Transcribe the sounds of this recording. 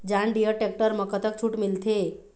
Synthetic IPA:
d͡ʑaɳɖijəʈek̚ʈəɾməkət̪ək̚t͡ɕʰuːʈmilt̪ʰe

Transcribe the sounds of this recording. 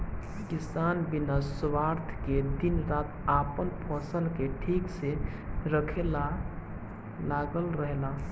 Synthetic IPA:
kɪsaːnbɪnaswaːɾt̪ʰked̪ɪnɾaːt̪aːpənpʰəsəlkeʈʰiːkse | ɾəkʰela | laːɡəlɾəɦla

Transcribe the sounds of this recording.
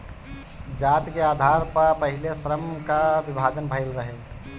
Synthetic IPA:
d͡ʒat̪kead̪ʱaɾpəpəɦilesɾəmkabibʱad͡ʒənbʱəɪlɾəɦe

